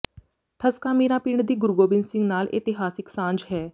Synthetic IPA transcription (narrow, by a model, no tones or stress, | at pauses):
ʈʰəskaːmiːɾãːpiːɳd̪iːɡʊɾɡoːbɪnsɪ̃ŋɡnaːlʔɪ̰t̪ɪɦaːsɪksãːɲd͡ʒɦɛː